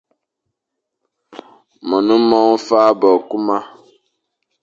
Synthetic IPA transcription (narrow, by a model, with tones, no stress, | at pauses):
mɔ˨nũ˦mɔ˦ŋ̩˦faː˦bɔ˨ku˦ma˦